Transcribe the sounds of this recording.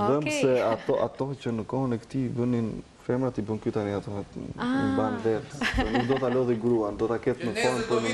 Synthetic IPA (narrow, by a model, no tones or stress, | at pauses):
ðɛmsɛat̪ɔʔa̰t̪ɔt͡ʃənəkːɔhnɛkt̪ibənin | fɛmɾat̪ibənkyt̪aniat̪ɔ | band̪ɛɾɛnuk̚d̪ɔt̪alɔðiɡɾuand̪ɔt̪akɛt̪nəfɔnt̪ɔnə